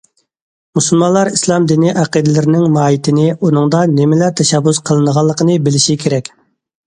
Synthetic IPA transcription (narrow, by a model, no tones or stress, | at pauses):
musulˠmɑnlˠɑɾislˠɑmd̪inɪʔæqid̪ɪlɪɾɪnɪŋmɑːjit̪ʰɪnɪunɨŋd̪ɑnɪmɪlæɾt̪ʰɛʃɛbːusqʰəlˠɨnəʁɑlˠːəqʰənɨbɪlɪʃikʲʰeɾɛkʲ